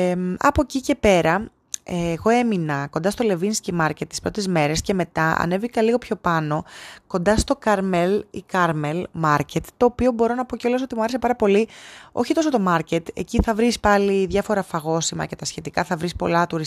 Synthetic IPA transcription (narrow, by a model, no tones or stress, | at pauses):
mɐ̰po̞cice̞pe̞ɾɐ | eːɣo̞e̞minɐko̞nd̪ɐst̪o̞le̞vinscimɐɾcet̪ːispɾot̪e̞zme̞ɾe̞sce̞me̞t̪ɐɐ̰ne̞vikɐliɣo̞pço̞pɐno̞ko̞nd̪ɐst̪o̞kɐɾmelḭkɐɾmelmɐɾce̞t̪ːo̞ːpio̞bo̞ɾo̞nɐpo̞ceo̞lɐsot̪imuɐɾese̞pɐɾɐpo̞lio̞̰çit̪o̞sot̪o̞mɐɾce̞t̪e̞̰ciθɐvɾispɐliðʝɐfo̞ɾɐfɐɣo̞simɐ̰ce̞t̪ɐsçe̞t̪ikɐθɐvɾispo̞̰lɐt̪uɾis